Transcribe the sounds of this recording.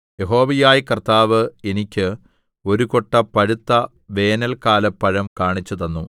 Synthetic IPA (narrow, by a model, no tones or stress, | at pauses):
jeɦo̞ːʋɐjaːjkɐrt̪aːʋɨenikʲːɨ | o̞ɾukoʈːɐpɐɻut̪ːɐ | ʋe̞ːnɐlkaːlɐpːɐɻɐmkaːɳit͡ɕːɐðɐnːu